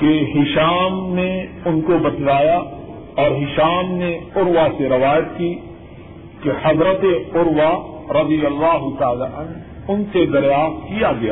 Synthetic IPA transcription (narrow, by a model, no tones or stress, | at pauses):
keɦɪʃaːmne | ʊnkobɐt̪laːja | ɔːɾɦɪʃaːmneʊɾwaseɾɐʋaːjət̪ki | kehɐzɾət̪eʊɾwaɾɐd̪ijɐlːaːɦʊt̪aːlaʔɐn | ʊnsed̪ɐɾjaːxt̪̚kijaɡɐjaː